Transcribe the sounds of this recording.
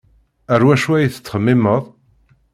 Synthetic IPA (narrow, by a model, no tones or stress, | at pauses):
æɾwæʃuæjiθə̥t͡sːχəmːɪməðˤ